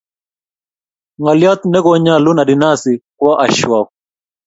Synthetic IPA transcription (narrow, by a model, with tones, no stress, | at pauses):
ŋɔ˨lja˦t̪nɛ˦ɡɔ˦ɲa˦˨lu˦na˨di˨na˦si˨kwɔ˦ʔa˨ʃwa˨